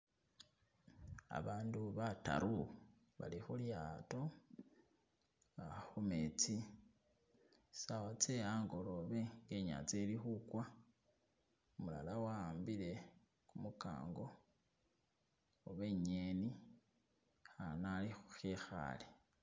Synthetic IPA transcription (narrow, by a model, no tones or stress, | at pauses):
a̰βaːnduβata̰ɾu | βa̰lixuljaːto̞ | axumet͡si | sawat͡seaːŋɡo̞lo̞βe̞ŋɡe̞ɲa̰t͡selixukwa | umula̰lawaːmbile̞ | kumuka̰ːŋɡo̞ | oβe̞ɲeni | xanalixuxexa̰le